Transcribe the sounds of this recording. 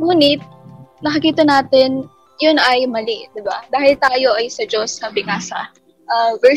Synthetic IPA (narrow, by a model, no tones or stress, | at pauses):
ŋuːnɪt̪̚nɐkɐkiːt̪ɐnaːt̪ɪn | jʊnɐjmɐlɪd̪ɪbad̪aːhɪlt̪aːjo̞ʔɐjsɐd͡ʒoshaːbɪŋasɐ̰ | ʔɐvɛ